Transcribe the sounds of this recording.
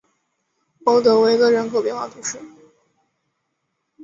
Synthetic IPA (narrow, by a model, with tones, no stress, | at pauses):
o˧˥ʊt̪ɤ˧˥we˧˥i˧ɡə˥˧ɻə˧˥nkʰo˨ʊpjɛ˥nxwɑ˥˩t̪ʰu˧˥ʂɻ̩˥˩